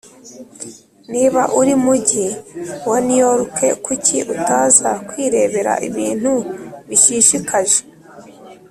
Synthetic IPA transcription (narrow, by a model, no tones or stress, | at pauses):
niβaʔuɾimuɟiwanijoɾuke̞kuciʔutaːzakwiɾe̞ːβe̞ɾa̰ʔiβiːn̥huβiʃiːʃikaʒe̥